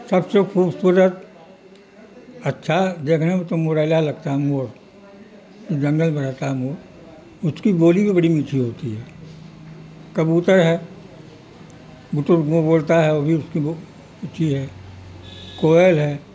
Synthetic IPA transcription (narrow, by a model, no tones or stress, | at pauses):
sɐbsekʰuːbsuɾət̪̚ | ɐtːʃʰad̪eːkʰnemẽt̪omoɾaːɪlalɐɡ̚t̪aɦɛmoːɾ | od͡ʒɐ̃ŋɡəlbɐnaːt̪aɦɛmoːɾ | ʊskiboːlibibɐɽimiːʈʰiɦoːt̪iɦɛː | kɐbuːt̪əɾɦɛː | ɡʊt̪ʊɾɡõboːlt̪aɦɛoːbʱiʊskio | iʈʰiɦɛː | koːəlɦɛː